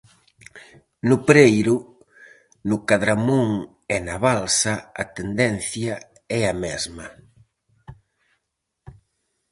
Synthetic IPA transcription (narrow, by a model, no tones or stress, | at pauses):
nʊpɾejɾʊ | nʊkaðɾamuŋ | ɛnaβalsɐɐt̪end̪ɛn̟θja | ɛamɛzmɐ